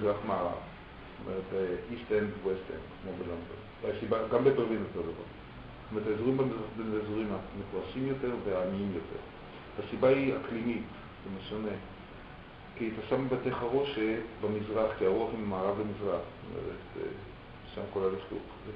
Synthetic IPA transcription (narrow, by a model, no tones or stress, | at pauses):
zʁaχmaaʁa̰v | t̪omeʁetistendwestḛnkmobelond̪o̰n | asibaɡambebeʁlinot̪od̪ava̰ʁ | stomeʁetazuʁimbemizʁaχbeezuʁimamefoʁaʃimjo̞te̞ʁveaːmiimjo̞te̞̰ʁ | vasibaiaklimit | vemeʃone | kiat̪aʃambat̪eχaʁoʃebamizʁaχkiaʁuaχimmaːʁavlemizʁaχstto̰mḛʁḛt̪ː | ʃamkolaleflṵχze